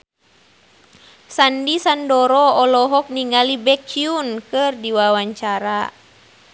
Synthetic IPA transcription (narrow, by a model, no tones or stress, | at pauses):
sandisandɔɾɔɔlɔɦɔk̚niŋɡalibɛkiunkɨrdiwawaɲt͡ʃaɾa